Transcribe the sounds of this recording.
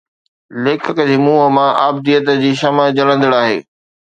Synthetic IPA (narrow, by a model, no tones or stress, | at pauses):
leːkʰɪkəd͡ʑiːmuːɦəmãʔaːb̚d̪ijət̪d͡ʑiːʃɐməd͡ʑɐɽə̃nd̪ɪɽaːɦḛː